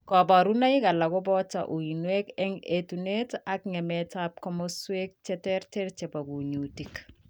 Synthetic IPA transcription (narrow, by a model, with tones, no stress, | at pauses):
kɔ˨ba˨ɾu˦na˦i˦ka˨la˨kɔ˦bɔ˦ta̰˨ʔu˨i˨nwe˦kɛ˦ŋetu˨ne˦ta˦kŋɛ˨mɛtap̚kɔ˦mɔswe˦k̚t͡ʃɛ˦tɛɾtɛ˦ɾt͡ʃɛ˨ba˨ɡu˨ɲu˨ti˨k